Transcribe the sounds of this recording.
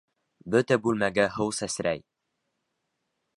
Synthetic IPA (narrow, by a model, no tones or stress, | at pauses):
bɵ̆t̪æbʉlmæɡæɦɤwsæsɾæj